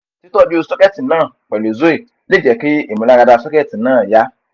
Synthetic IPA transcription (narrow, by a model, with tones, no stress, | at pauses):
si˦to˦ɔ˦d͡ʒsɔ˦kɛ˦˨ti˨nãː˦˨k͡pɛ˨lo˨zo˦e˦˨ | le˦˨d͡ʒɛ˨ke˦e˨mũ˨la˦ɡa˧da˧sɔ˦kɛ˦˨ti˨nãː˦˨ja˨˦